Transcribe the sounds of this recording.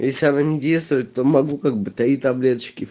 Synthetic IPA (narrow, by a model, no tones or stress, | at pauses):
jesʲlʲɪɐnanʲɪdʲejst̪vʊjɪt̪̚ʲt̪omɐɡukaɡ̚bɨt̪ɐit̪ɐblʲet̪t͡ɕɪ̥kʲɪ